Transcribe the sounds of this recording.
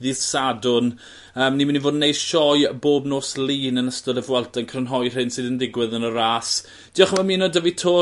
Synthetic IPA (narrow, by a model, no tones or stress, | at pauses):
ðɪð̥sadʊn | əːmnimɪnivoːdnːejd̥ʃɔjboːbnoːsliːnənəstɔðəvwɛlˠtankʰrənɦɔjr̥ɪnsɨːðəndɪɡwɪðənəɾaːs | d̥iːɔχmamiːnɔdəvitʰoː